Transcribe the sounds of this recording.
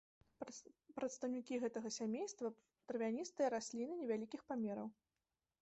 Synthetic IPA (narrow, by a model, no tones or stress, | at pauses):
pɾɐt̪st̪ɐwnʲikʲiɣɛt̪ɐɣɐsʲamʲejst̪vɐ | t̪ɾvʲianʲist̪ɨjɐɾasʲlʲinɨnʲɛvʲalʲikʲixpamʲɛɾɐw